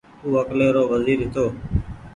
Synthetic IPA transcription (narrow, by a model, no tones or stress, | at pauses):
uːəkleːɾoːʋəziːɾɦɪt̪ʰoː